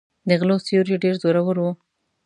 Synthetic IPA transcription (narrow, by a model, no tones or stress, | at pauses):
d̪əɣlosioɾeɖeɾzoɾawəɾwo